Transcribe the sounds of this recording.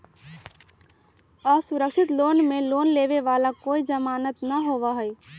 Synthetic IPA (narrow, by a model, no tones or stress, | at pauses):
ɔsuɾəkʃʰɪt̪loːnmeloːnleʋeʋaːlakoːid͡ʒəmaːnət̪nəɦoːʋaɦəi